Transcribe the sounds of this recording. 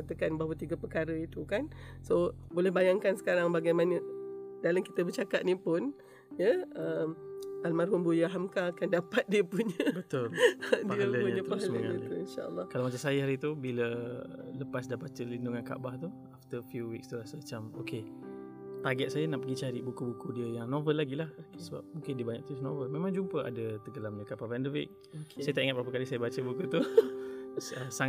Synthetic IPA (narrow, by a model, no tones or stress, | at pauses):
at̪əkanbaɦwət̪iɡəpəkaɾəit̪ukansobolɛhbajaŋkansə̥kaɾaŋbaɡajmanədalamkit̪əbərt͡ʃakat̪̚nipʊn | jəəmʔalmarɦʊmbujaɦamkakandapat̪̚diəpuɲəbət̪ʊldiələɲpuɲəpalməŋa̰ət̪uinʃa̰ʔə̰lːɑhkalawmat͡ʃamsajaɦaɾit̪ubilələpasdabat͡ʃəlinduŋanka̰ʔbaht̪u | aft̪əfjuwikst̪uɾasəmət͡ʃamoke | t̪aɡɛt̪̚sajanaʔpəɡit͡ʃaɾibukubukudiəjaŋnovəlːaɡilahksəba̰p̚mũŋkɪndiəbaɲa̰k̚t̪unovəlmẽmãŋd͡ʒumpəʔa̰dət̪əɡəlamdəkapapːndəwḭk̚ | oksajət̪aʔiŋat̚pɾapəkalisajəbat͡ʃəbukut̪u | əsaŋ